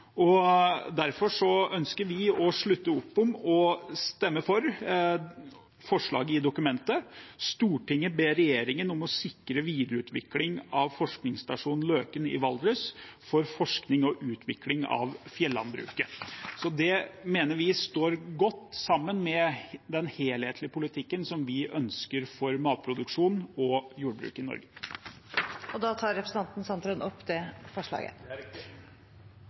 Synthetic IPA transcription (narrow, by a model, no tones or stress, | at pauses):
ɔd̪æɾfɔʂɔœnskəɾʋɪɔʂɭʉt̪ːəʊpːɔmɔst̪ɛmːəfɔɾ | fɔʂɭɑ̰ːɡəɪd̪ʊkʉmɛnt̪əst̪uːʈɪŋːəbeːɾɛjeːɾɪŋənɔmɔsɪkːɾəʋiːd̪ɾəʉːt̪ʋɪ̰klɪŋɑʋfɔʂknɪŋst̪ɑʂuːnn̩løːkənɪ̰ʋɑld̪ɾʉsfɔɾfɔʂknɪŋɔʔʉːt̪ʰʋɪklɪŋɑ̰ʋfjɛlːɑ̰nbɾʉ̰ːkəsɔd̪ɛmeːnəɾʋɪst̪oːɾɡɔt̪ːsɑmːənmɛd̪ɛnheːlheːt̪lɪəpʰʊlɪt̪ʰɪkːənsɔmʋɪʔœnskəɾfɔɾmɑːt̪̚pʰɾʊd̪ʉkʂuːnɔjuːɖbɾʉ̰ːkɪnɔ̰ɾɡə | ɔd̪ɑːt̪ʰɑːɾɛpɾəsn̩t̪ʰɑnt̪n̩sɑnt̪ɾənɔpːd̪ɛfɔʂɭɑ̰ːɡə̰